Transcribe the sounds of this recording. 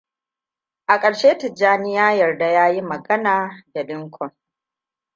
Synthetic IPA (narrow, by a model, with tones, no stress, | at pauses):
ʔa˨kʼɐ˨ɽʃeː˦tɪ˨d͡ʒaː˦nɪ˦jaː˦jɐ˨rda˨jaː˦ji˦mɐ˨ɡɐ˦naː˨da˨ɗɪ˦ŋkʷʰɔ˨ŋ